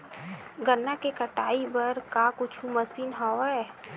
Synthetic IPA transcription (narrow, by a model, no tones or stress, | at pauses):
ɡənːakekəʈaːibəɾkakʊt͡ʃʰuməsiːnɦɔɛ